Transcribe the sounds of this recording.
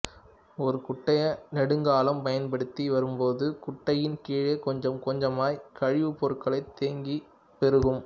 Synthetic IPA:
ɔɾɯkʊʈːɐjɐnɛɽɯŋɡaːlɐmpɐjɐnpɐɽɯt̪ːiʋɐɾɯmpoːðɯkʊʈːɐjɪnkiːɻekɔɲd͡ʒɐmkɔɲd͡ʒɐmaːjkɐɻɪʋɯpːɔɾɯkːɐɭɐɪt̪ːeːŋɡi | pɛɾɯɣɯm

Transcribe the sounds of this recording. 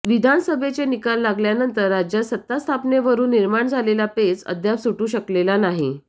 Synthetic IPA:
ʋid̪ʱansəbʱet͡senikalːaɡljanənt̪əɾːad͡ʑjasət̪ːast̪ʰapneʋəɾuːnːiɾmaɳd͡zʱalelapet͡sə̰d̪ʱjapsuʈuːɕəklelanaɦi

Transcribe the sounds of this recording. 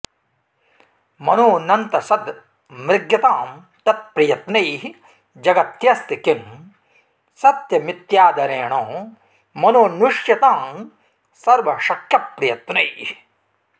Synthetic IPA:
mɐnoːnɐnt̪ɐsɐd̪ | mɾɪɡjɐt̪aːm | t̪ɐt̪̚pɾɐjɐt̪nɐjɦi | d͡ʒɐɡɐt̪jɐst̪ikin | sɐt̪jɐmit̪jaːd̪ɐɾeːɳõː | mɐnoːnuʂjɐt̪aːm | sɐɾʋɐʃɐkʰjɐpɾɐjɐt̪nɐjhi

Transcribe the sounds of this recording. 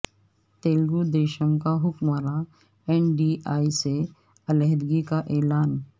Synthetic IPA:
t̪eːlɡud̪eːʃəmkaɦʊkmaːɾa | ɛːnɖiːʔaːise | ɐlɛɦɾɡikaʔɛːlaːn

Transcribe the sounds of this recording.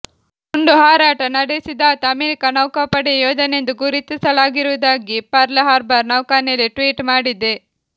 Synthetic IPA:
uɳɖuɦaːɾaːʈɐnɐɽesid̪aːt̪ɐɐmeːɾikɐnɐwkapɐɽejoːd͡ʒ̪ɐnend̪uɡuɾit̪isɐlaːɡiɾuʋɐd̪aːɡipɐɾleɦaːɾbɐɾnɐwkaːneɐliʈʋiːʈmaːɽid̪e

